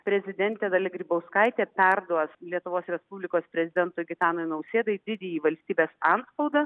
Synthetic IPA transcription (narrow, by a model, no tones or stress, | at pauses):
pʲɾʲɛzʲɪd̪ʲɛnʲt̪ʲɛd̪ɐlʲɪɡɾʲiːbɐʊskɐɪt̪ʲeːpʲɛrd̪uɔslʲiɛt̪ʊʋoːsɾʲɛspubʲlʲɪkoːspʲɾʲɛzʲɪd̪ʲɛnt̪ʊɡʲɪt̪ɑːnoɪnɐʊsʲeːd̪ɐɪd̪ʲɪd̪ʲeːjiːʋɐlʲsʲt̪ʲiːbʲeːsɐnspɐʊd̪ɐ